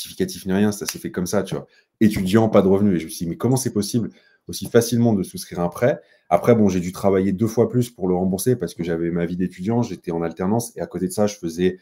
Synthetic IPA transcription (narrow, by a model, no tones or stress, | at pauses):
t̪i̥fi̥kat̪ifniʁjɛ̃sasɛfɛkɔmsat̪yva̰ | et̪yd̪jɑ̃pad̪əʁəvnyeʒəməsjd̪imɛkɔmɑ̃sɛpɔsibl | osifasilmɑ̃d̪əsuskχiʁɛ̃pχɛ | apχɛbɔ̃ʒed̪yt̪χavajed̪øfwaplyspuʁləʁɑ̃buʁsepaʁsə̥kəʒavɛmavid̪et̪yd̪jɑ̃ʒet̪ɛɑ̃nalt̪ɛʁnɑ̃seakot̪ed̪əsaʒəfəzɛ